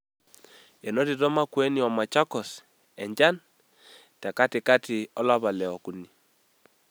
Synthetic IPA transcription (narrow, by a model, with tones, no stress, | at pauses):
e˨no˦ti˨tɔ˦ma˦kwɛ˦ni˦ɔ˨ma˨t͡ʃa˦kɔ˨s | ɛ˨ɲd͡ʒa˦n | tɛ˨ka˦tɪ˨ka˦tɪ˨ɔ˦la˦βa˨lɛ˨ɔ˨ku˨ni˨